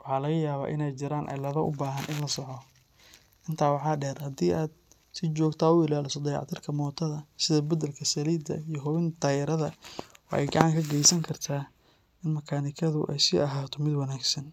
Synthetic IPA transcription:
wɑħɑːlɐɣɐjaːβa̰ːʔɪnɛjt͡ʃɪɾaːnʔɛ̰jlɐðɐʔʊbaːɦɐnʔɪnlɐsɔʕɔ | ʔɪnt̪ʰaːwɑħɑːɖɛːrhɐd̪iːʔaːd̪ | sɪt͡ʃɔːɡt̪ʰaːʊɪlaːlɪsɔd̪ɐjɑ̰ʕt̪ʰɪrkʰɐmɔːt̪ʰɐðɐsɪðɐbɐd̪ɐlkʰɐsɐliːd̪ɐ̰ijɔɦɔwɪnt̪ʰaːjɪɾɐðɐwɑħɛ̰jɡɑʕɑŋkʰɐɡɛjsɐŋkʰɐrt̪ʰaː | ʔɪnmɐkʰaːnɪkʰɐðʊ̰ʔɛ̰jsɪʔɐɦaːt̪ʰɔmɪd̪wɐnaːɡsɐn

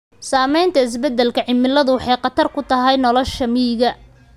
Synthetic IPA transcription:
saːmɛjnt̪ʰɐɪs̬bɛd̪ːɛlkʰɐʕɪmɪlːɐðʊwɑħɑjqɑt̪ʰɐrkʰʊt̪ʰɐɦɛjnɔlɔʃɐmiːɣɐ

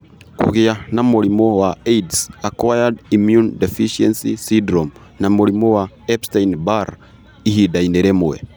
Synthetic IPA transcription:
kṵɣianamuɾimowaejdsakwajadimjundefiʃiɛnsisidɾom | namuɾimowa | ɛpstainbaɾ | ihidaineɾemuwḛ

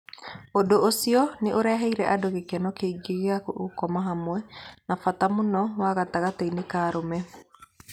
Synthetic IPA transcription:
odoʔosiɔneʔoɾɛɦɛiɾɛʔadoɣekɛnɔkeiɡeɣeakoʔokɔmaɦamwɛnafatamonɔwaɣataɣateinekaːɾomɛ

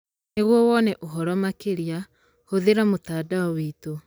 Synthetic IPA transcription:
neɣwɔwɔnɛʔoɦɔɾɔmakeɾja | hoðeɾamotaːdaɔwito

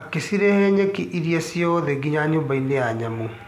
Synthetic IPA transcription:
kesiɾehɛɲekiʔiɾiasiɔðeɡiɲaɲoːmbaineaɲamu

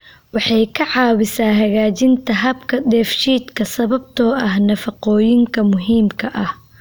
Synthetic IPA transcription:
wɑħɑjkʰɐʕɑːwɪsaːɦɐɣaːt͡ʃɪnt̪ʰɐɦɐbkʰɐd̪ɛːfʃiːd̪kʰɐsɐβɐbt̪ʰɔːʔɐhnɐfɐqɔːjɪŋkʰɐmʊɦiːmkʰɐʔɐh

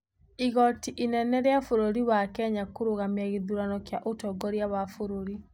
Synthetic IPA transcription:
iɣɔtiʔinɛnɛɾeafoɾoɾiwakɛɲakoɾoɣamjaɣeðuɾanɔkjaʔotɔɡɔɾjaβafoɾoɾi

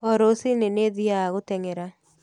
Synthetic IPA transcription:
ɔɾosineneðiaaɣotɛŋeɾa

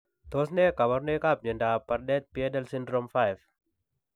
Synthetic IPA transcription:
t̪osnekamarnekap̚ɲəndapardɛt̪̚piɛdɛlsindɾɔmfajf

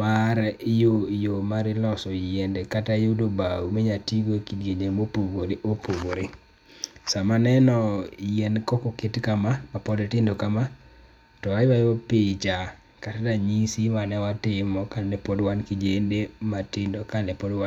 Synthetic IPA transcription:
maɾjojomaɾɪlɔsɔjɛndekatajodobaumeɲatiɡokideɲemopoboɾeopovoɾe | samanɛnɔjɛnkɔkɔkɪtkamamapɔdɛtɪndokama | tɔajwajwopɪt͡ʃa | katadaɲisimanɛwatɪmɔkanɛpɔdwankid͡ʒendematɪndokanɛpodwa

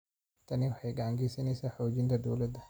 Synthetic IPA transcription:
t̪ɐniwʊħajɡaːŋɡisɐnɛsaːħoːd͡ʒint̪ɐd̪o̰wlɐd̪ɐ

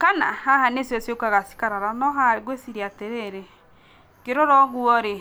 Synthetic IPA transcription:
kana̰hahanesjɔsjokaɣasi̥kaɾaɾanɔɦaɣwesiɾiateɾeɾe | keɾɔɾɔɣwɔɾe

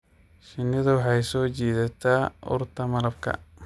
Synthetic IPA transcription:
ʃɪnːɪðɐwɑħɑjsɔːt͡ʃiːðɐt̪ʰaːʊ̰rt̪ʰɐmɐlɐb̚kʰɐ̰

